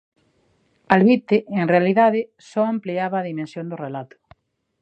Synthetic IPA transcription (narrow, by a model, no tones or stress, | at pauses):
alβit̪eʔeŋrealiðaðɪ | sɔampliaβaːðimẽnsjõnd̪ʊrelat̪ʊ̥